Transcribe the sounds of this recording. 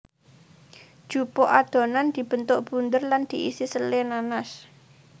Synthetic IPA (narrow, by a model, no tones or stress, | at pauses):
d̥ʒ̥upoʔad̪̥o̤nand̪̥i̤b̥ə̤nt̪ʊʔb̥und̪ərland̪̥i̤ʔḭsisəlenanas